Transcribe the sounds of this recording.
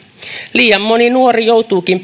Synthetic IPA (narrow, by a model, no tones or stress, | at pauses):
liːjɑmːoninuorijowt̪uːkimp